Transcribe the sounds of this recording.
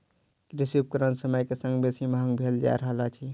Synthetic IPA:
kɾisiup̚kəɾənsəməjkesə̃ŋɡbesimɦəŋɡbʱeld͡ʒa̰ɾəɦlat͡ʃʰi

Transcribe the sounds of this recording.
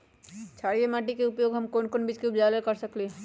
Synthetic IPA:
t͡ʃʰaːɽijemaːʈ̬ikeʊpjoːɡɦɐmkonkonbiːt͡ʃkeʊpd͡ʒaːləlkɐɾsɐkle

